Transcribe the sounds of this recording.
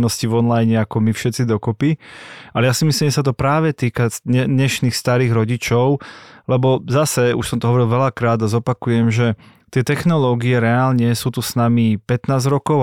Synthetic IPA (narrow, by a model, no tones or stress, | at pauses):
nɔscivɔnlajɲɛakɔmifʃɛt̪t͡sid̪ɔkɔpiʔalɛjasimisliːmʒɛs̬at̪ɔpɾaːʋɛt̪iːkaɛɲɛʃniːxst̪aɾiːɣɾɔɟit͡ʃɔʊlɛbɔzasɛṵʃsɔmt̪ɔɦɔʋɔɾilʋɛlakɾaːd̪azɔpakujɛmʒɛ | t̪ɪɛt̪ɛxnɔlɔːɡiɛɾɛaːlɲɛsuːt̪usnamipɛt̪naːzɾɔkɔʊ